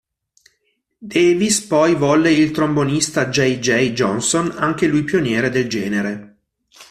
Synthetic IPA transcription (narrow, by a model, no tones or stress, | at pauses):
d̪ɛːvispɔjvɔlːeilt̪ɾombonist̪ad͡ʒɛjd͡ʒɛjd͡ʒɔ̰nsonaŋk̟elujpjonjɛːɾed̪eld͡ʒɛːneɾe